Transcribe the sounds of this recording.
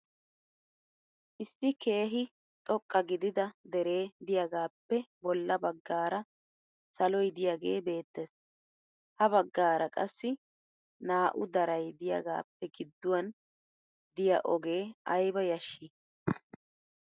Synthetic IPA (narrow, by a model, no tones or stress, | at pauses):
ʔɪsːɪke̞ːɦɪ | t̪ʼɔkʼːɐɡɪd̪ɪd̪ɐd̪ɛɾe̞ːd̪ɪjɐɡaːpːɛbɔlːɐbɐɡːaːɾɐ | sɐlɔjd̪ɪjaɡe̞ːbe̞ːt̪ːes | hɐβɐɡːaːɾɐkʼɐsːɪ | naːʔʊd̪ɐɾɐjd̪ɪjɐ̰ɡa̰ːpːɛɡɪd̪ːʊwɐn | d̪ɪjɐ̰ʔɔɡe̞ːɐjbɐjɐʃːi